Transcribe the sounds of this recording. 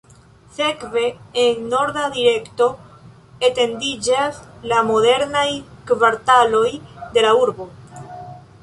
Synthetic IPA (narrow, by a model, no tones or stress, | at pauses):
se̞kve̞ːnːo̞ɾdadiɾe̞kto̞ | ete̞ndid͡ʒaslamo̞ðe̞ɾnajkvaɾtalo̞jd̪e̞lauɾbo̞